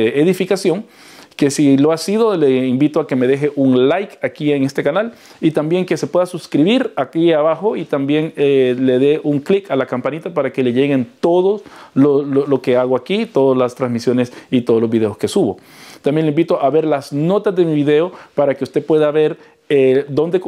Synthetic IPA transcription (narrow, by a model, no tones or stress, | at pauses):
eeðifikasjo̞ŋ | ke̞siloasiðo̞leimbit̪oake̞me̞ðe̞xe̞ʔuŋlajkakieŋe̞st̪ekanal | it̪ambje̞ŋke̞sepwe̞ðasuskɾiβiɾakiaβaxo̞it̪ambje̞ŋele̞ðe̞ʔuŋklikalakampanit̪apaɾake̞le̞ʝe̞ɣe̞nt̪o̞ðoslololo̞ke̞aɣoakit̪o̞ðozlast̪ɾanzmisjo̞ne̞sit̪o̞ðolozβiðe̞oske̞suβo̞ | t̪ambje̞nleimbit̪oʔaβe̞ɾlasno̞t̪azðe̞miβiðe̞o̞paɾake̞ust̪epwe̞ðaβe̞ɾ | ed̪o̞nd̪ek